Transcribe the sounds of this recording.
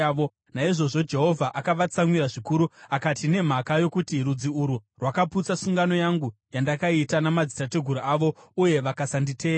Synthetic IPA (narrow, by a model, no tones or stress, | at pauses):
o | naiʐo̞ʐo̞d͡ʒe̞ɦo̞vʱaʔakaʋat͡samwiɾaʐikuɾuakatine̞m̤akajo̞kutirud͡ziuɾurwakaput͡sasuŋɡano̞jaŋɡujandakaitanamad͡zitate̞ɡʱuɾuaʋo̞uje̞ʋakasanditʰeːa